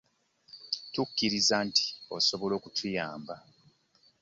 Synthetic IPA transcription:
tukːiɾizantʰi̥o̞̰so̞βo̞lo̞ːkutʰujaːmba

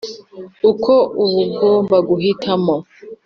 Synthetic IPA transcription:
ukʰoʔuβuɡɡombaɡuɦitʰamo

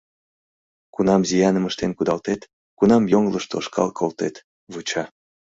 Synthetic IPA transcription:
kunɑmzijɑnəməʃt̪enkud̪ɑlt̪et̪ | kunɑmjoŋləʃt̪oʃkʰɑ̰lkʰolt̪et̪ | βut͡ɕɑ

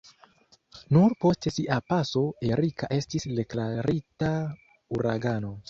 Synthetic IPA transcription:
nuɾpo̞ste̞siʔapaso̞ʔe̞ɾikaʔe̞stisde̞klaɾita | uɾaɡano̞

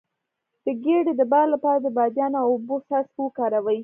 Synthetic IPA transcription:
d̪̥əɡeɖed̪əbɑlːapɑɾad̪əbɑd̪jɑnawʊbosaspokɑɾawəj

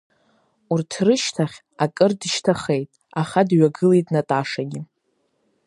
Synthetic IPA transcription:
urtʰrɨʃtʰaχʲ | akʼɨrdɨʃtʰaχejtʼ | aχadɥaɡɨlejtʼnatʼaʂaɡʲɪ

